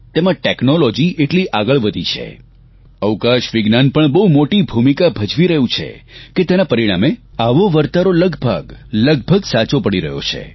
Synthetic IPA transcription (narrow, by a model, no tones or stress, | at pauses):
t̪emãʈeknolɔd͡ʒiʔeʈliʔaɡəɭʋəd̪ʱit͡ʃʰḛ | əwkaʃʋɪɡnanpəɳbəumoʈibʱumikabʱəd͡ʒʋiɾəɦũt͡ʃʰḛket̪enapəɾiɽ̃a̰meaʋoʋəɾt̪aɾoləɡbʱəɡləɡ̚bʱəɡsat͡ʃopəɽiɾəɦjo̰t͡ʃʰḛ